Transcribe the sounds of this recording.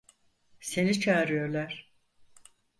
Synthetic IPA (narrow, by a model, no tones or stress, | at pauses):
se̞nit͡ʃʰaːɾɯjo̞ɾlʲˠæɾ̥